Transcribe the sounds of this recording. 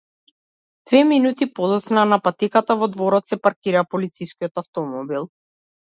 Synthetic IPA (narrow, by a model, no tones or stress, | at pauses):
d̪̥vɛminut̪ipɔd̪ɔt̪snanapat̪ikat̪avɔd̪vɔɾɔt̪sɛpaɾkiɾapɔlit̪siskʲiɔt̪aft̪ɔmɔbilˠ